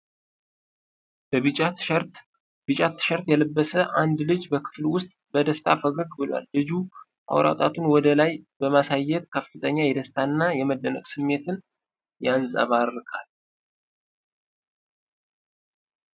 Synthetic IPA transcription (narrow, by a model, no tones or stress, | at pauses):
bəɨt͡ʃʼ | bɨt͡ʃʼat̪ʰːɨ̥ʃəɾt̪jɛləbːəsəʔand̪lɨd͡ʒbəkʰɨ̥flwʊst̪ʼbəd̪əst̪ʰafəɡɨɡbɨla̰lːɨd͡ʒu | ʔa̰wɾa̰t̪ʼat̪ʰunwɔd̪əlajbəmasajːɛt̪̚kʰəfːɨt̪ʰəɲːajɛd̪əst̪ʰanːajɛməd̪ːənə̰kʼsɨmːe̞t̪ʰɨn | jansʼə̰βaɾɨkʼal